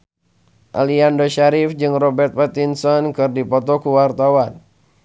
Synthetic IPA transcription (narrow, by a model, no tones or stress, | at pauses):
ʔa̰liandoʃaɾifd͡ʒɨŋrɔbɛrt̪̚pat̪insɔnkɨrdipɔt̪ɔkuwart̪awan